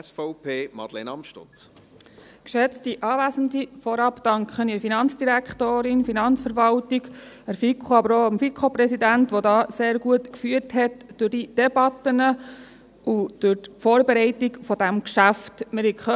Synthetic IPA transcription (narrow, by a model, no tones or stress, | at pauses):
sfɔʊpʰeːmɑ̰dlḛnɑmʃto̰t͡s | kʃɛt͡stiʔɑːvæːzən̩difɔɾɑpd̥ɑŋkχəniɾfinɑnt͡sd̥iɾækχtoːɾɪnfinɑnt͡sfəɾʋɑltiɡ | æɾfikʰχoɑbəɾoːɑmfikχoprɛsidæntʋɔdɑːseːɾɡuətkfyəthɛtd̥ʊrdid̥ɛbɑtənə | ʔud̥ʊɾtfɔːɾbeɾɛɪtikfɔdæmkʃæftmɪɾikχ